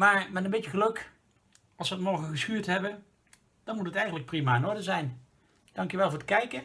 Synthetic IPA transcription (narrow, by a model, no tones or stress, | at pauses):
maːɹmɛtəmbejtəχəlɵk | ɑlˠsʋəətmɔɹɣəχəsχyːɹtɦɛbə | d̥ɑnmutɦətɛjχənlək̚primaːɪnɔɹdəzɛjn | d̥ɑŋkjəʋɛlˠvʊːɹətkɛjkə